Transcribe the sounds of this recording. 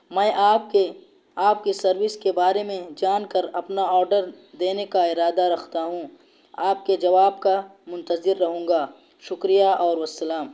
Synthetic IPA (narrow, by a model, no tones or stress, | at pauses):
mɛ̃ːʔaːp̚ke | aːp̚kisɐɾwɪskebaːɾemẽd͡ʒaːnkɐɾɐpnaɔːɾɖəɾ | d̪eːnekaɪɾaːd̪aɾɐkʰt̪aɦũ | aːp̚ked͡ʒɐʋaːb̚kamʊ̃nt̪əzɪɾːɐɦũːŋɡaː | ʃʊkɾijaʔɔːɾʋɐsɐlaːm